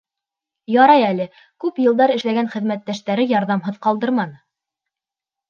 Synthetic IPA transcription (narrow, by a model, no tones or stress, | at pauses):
jɑɾɑjælɘ | kʉpjɤ̆lˠd̪ɑɾɘ̆ʃlæɡænχɘ̆ðmæt̪ːæʃt̪æɾɘjɑɾðɑmɦɤðqɑlˠd̪ɤɾmɑnɤ